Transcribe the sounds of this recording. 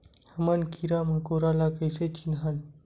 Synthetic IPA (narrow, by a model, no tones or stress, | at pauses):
həmənkiɾamakoɾalakəjset͡ɕinɦan